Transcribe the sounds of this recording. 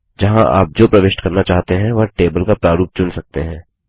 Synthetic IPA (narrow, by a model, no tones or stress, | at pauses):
d͡ʒɐɦãʔa̰ːp̚d͡ʒoːpɾɐʋɪʃʈkɐɾnat͡ʃaːɦt̪eɦɛ̃ʋɐɾʈeːbəlkapɾaːɾuːp̚t͡ʃʊnsɐk̚t̪eɦɛ̃ː